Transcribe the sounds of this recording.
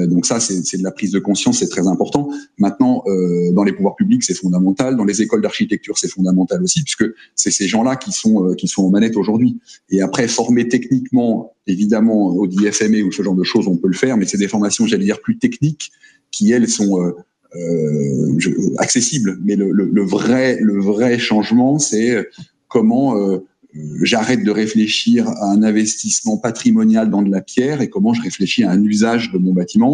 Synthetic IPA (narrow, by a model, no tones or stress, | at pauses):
d̪ɔ̃ksasɛsɛd̪əlapχizd̪əkɔ̃sjɑ̃sːɛt̪χɛzɛ̃pɔʁt̪ɑ̃mɛ̃t̪nɑ̃ʔød̪ɑ̃lepuvwaʁpybliksɛfɔ̃d̪amɑ̃t̪ald̪ɑ̃lezekɔld̪aʁʃit̪ɛk̚t̪yʁsɛfɔ̃d̪amɑ̃t̪alosipɥi̥skəsɛseʒɑ̃lakʲisɔ̃økʲisɔ̃ɑ̃manɛt̪oʒuʁd̪ɥieapχɛfɔʁmet̪ɛknikmɑ̃ | evid̪amɑ̃od̪iɛfɛmeusəʒɑ̃ʁd̪əʃozɔ̃pøləfɛʁmɛsɛd̪efɔʁmasjɔ̃ʒaled̪iʁplyt̪ɛknik | kʲʰːiɛlsɔ̃ø | ø | ʒə̰a̰ksesiblmɛlələləvʁɛləvʁɛʃɑ̃ʒmɑ̃sɛø | kɔmɑ̃ø | øʒaʁɛt̪̚d̪əʁefleʃiʁaɛ̃nɛ̃vɛst̪ismɑ̃pat̪χimɔnjald̪ɑ̃d̪əlapjɛʁekɔmɑ̃ʒəʁefleʃiaɛ̃nyzaʒd̪əmɔ̃bat̪imɑ̃